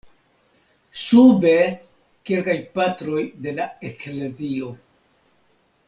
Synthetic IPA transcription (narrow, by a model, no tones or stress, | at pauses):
sube̞ | kelkajpatɾo̞jde̞laekle̞zio̞